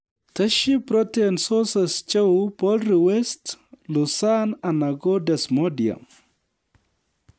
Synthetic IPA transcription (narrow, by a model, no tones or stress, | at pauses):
tɐʃipɾɔtensɔsɐst͡ʃewpɔlriwɛstlusanɐnɐɡɔdɛsmɔdiɐ̰m